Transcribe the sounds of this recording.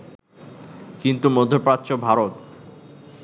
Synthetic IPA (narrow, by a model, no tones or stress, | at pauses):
kint̪umod̪ʱːopɾat̪ːɕobʱaɾot̪